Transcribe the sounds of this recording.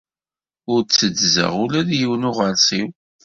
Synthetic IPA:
ʊɾt͡sːəd͡zzə̰ʁʊlæðjiwnʊʁəɾsiw

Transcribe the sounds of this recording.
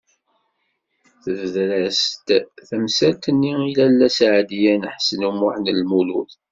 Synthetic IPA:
θəvðɾæst̪θəmsæt̪ːənːiilælːæsʕd̪ijænħsnumʊħnəlmulṵθ

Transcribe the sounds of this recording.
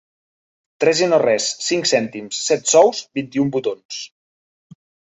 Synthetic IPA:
t̪ɾɛzinorɛsːiŋksɛnt̪imsːɛt̪sɔwsbint̪iumbut̪ons

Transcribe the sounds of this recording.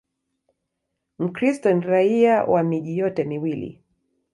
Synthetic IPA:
m̩kɾistɔniɾaiawʔamiʄijɔtɛmiwilḭ

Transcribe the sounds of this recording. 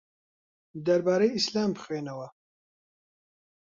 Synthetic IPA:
d̪ɐɾbaːɾejislaːmpʰɨ̥xweːnɐwɐ

